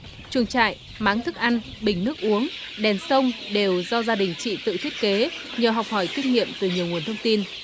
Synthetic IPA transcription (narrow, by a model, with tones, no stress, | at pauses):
t͡ɕɨ˨˧˩ət͡ɕa̰ː˧˨j | maː˨˦ŋt̪ʰɨ˦˥k̚ʔa˧nɓï˧˩ŋ̟nɨ˦˥ək̚ʔu˨˦əŋɗɛ˨˩nsə˧wŋ͡mɗe˨˩wzɔ˧zaː˧ɗï˨˩ŋ̟t͡ɕḭ˧˨t̪ɨ̰˧˨t̪ʰi˦˥ət̚ke˨˦ɲəː˨˩ɦwk͡p̚hɔ˧˩jt̪i˦˥k̚ŋḭ˧˨əmt̪ɨ˨˩ɲi˨˩əwŋ˨˩ənt̪ʰə˧wŋ͡mt̪i˧n